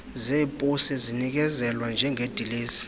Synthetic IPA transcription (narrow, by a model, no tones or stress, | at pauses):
zeːpʼosizinik̬ɛzɛlwand͡ʒʱɛŋʱed̥ʱileːsi̥